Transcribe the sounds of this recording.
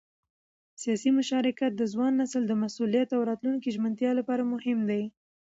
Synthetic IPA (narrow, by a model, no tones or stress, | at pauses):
sijɑsimʊʃɑɾɪkat̪̚d̪əzwɑnːasəld̪əmasulijat̪awɾɑt̪luŋkiʒmənt̪jɑlapɑɾamʊhɪmd̪aj